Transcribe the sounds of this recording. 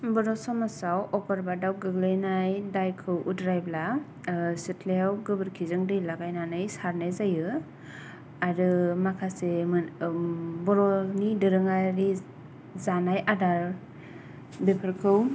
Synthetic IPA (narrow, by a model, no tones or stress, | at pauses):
bɔɾɔsɔmasawʔɔkɔɾbadawɡɯɡlɯjnajdajkʰɯwʔudɾajbla | sɯtʰlewɡɯbɯɾkʰizɯŋdɯjlaɡajnanɯjsaɾnajzajɯ | aɾɯmakʰasemɯ | bɔɾɔnidɯɾɯŋaɾi | zanajʔadaɾ | bepʰɯɾkʰɯw